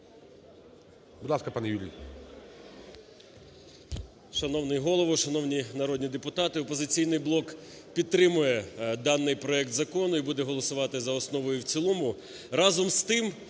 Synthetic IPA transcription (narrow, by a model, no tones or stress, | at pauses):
bʊd̪lˠɑskɐpɑnɛjulʲḭj | ʃɐnɔwnɪjɦɔlˠɔʋɔʃɐn̪ɔwnʲinɐɾɔd̪ʲnʲid̪epʊt̪ɑt̪ɪɔpɔzɪt͡sʲijn̪ɪjblˠɔkpʲid̪̚t̪ɾɪmʊjɛd̪ɑnːɪjpɾɔɛk̚t̪zɐkɔnʊibud̪ɛɦɔlˠɔsʊʋɑt̪ɪzɐɔsnɔʋɔjʊwt͡sʲilˠɔmʊ | ɾɑzɔmst̪ɪm